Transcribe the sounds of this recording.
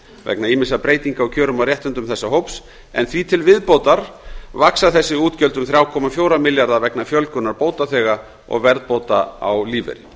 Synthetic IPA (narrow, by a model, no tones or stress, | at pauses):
vɛ̰knaiːmɪnsapɾeːjt̪iŋkaɔwcʰœːɾʏmawrjɛht̪ʏnt̪ʏmθɛsːaɦowps | ɛ̰nθvit̪ʰɪlvɪðpowt̪aɾ̥vaksaθɛsːɪuːt̪cœlt̪ʏmθɾjaːwkʰɔːmafjowɾamɪljaɾðavɛknafjœlkʏnaɾpoːwt̪aθɛːɣa | ɔ̰ɣvɛɾðpowt̪aa̰wliːvɛ̰ɾɪ